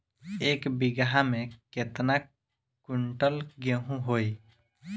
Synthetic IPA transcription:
eːkbɪɡɦamẽket̪na | kʊɳʈəlɡeɦũɦoːi

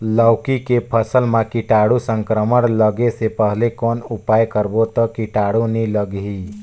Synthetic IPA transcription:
ləːkikepʰəsəlmãkɪʈaːɽusə̃ŋkɾəməɽləɡesepəɦlekɔːnupaːjkəɾbot̪ɔkɪʈaːɽunĩləɡɦi

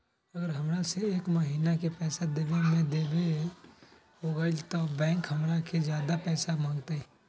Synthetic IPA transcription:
əɡəɾɦəmɾaseeːkməɦiːnakepɛːsad̪eːbemẽd̪eːbe | ɦoːɡəd͡ʒt̪obɛ̃ːkɦəmɾakʰed͡ʒjaːd̪apɛːsamãːŋt̪eɛ

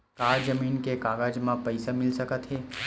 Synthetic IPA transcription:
kaːɾd͡ʒɐmiːnkekaːɡad͡ʒmãpɐɪsamɪlsɐkət̪ɦɛː

